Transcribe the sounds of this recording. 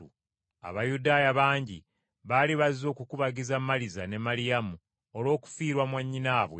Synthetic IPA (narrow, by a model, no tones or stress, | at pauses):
u | a̰βajudaːjaβaːɲɟi | βaliβazo̞ːkukuβaɟizamːalizane̞malijamu | olo̞ːku̥fiːɾwamwaɲːinaːβwḛ